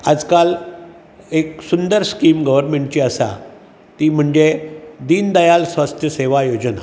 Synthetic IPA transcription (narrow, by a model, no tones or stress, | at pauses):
ad͡zkal | eksund̪əɾskiːmɡəʋəɾmeɳʈ̚t͡ɕiːəsa̰ | t̪iːm̤əɳd͡ʑed̪iːnd̪əjalsʋast̪ʰjəseʋajod͡ʑna̰